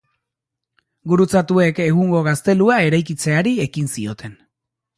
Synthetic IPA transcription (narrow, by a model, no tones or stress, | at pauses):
ɡuɾut͡sat̪ue̞ke̞ɣuŋɡo̞ɣast̪e̞luae̞ɾajkit͡se̞aɾie̞kinsio̞t̪ʰe̞n